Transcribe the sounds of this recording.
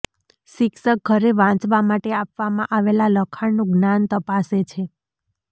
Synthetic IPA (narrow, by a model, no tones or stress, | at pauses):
ʃɪksək̚ɡʱəɾeʋãt͡ʃʋamaʈeapʋamãʔaʋelaləkʰaɳnũɡnant̪əpaset͡ʃʰe